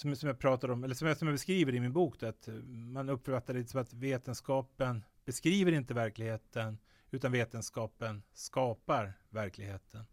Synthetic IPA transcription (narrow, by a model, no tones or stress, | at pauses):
sɔmsɔmjɑːɡ̚pʰɾɑːt̪ad̪ɔmɛlːəʂsɔmjasɔmjabɛskɾiːvəɾɪmɪnbuːkd̪ɔat̪manɵpːfœɾfat̪ːaɾəliːt̪ə̥sɔmat̪veːt̪ənskɑːpən | b̥ɛskɾiːvəɾɪnt̪əvæɾklɪɡheːt̪ən | ʉ̟ːt̪anveːt̪ənskɑːpənskɑːpaɾvæɾklɪɡheːt̪ʰən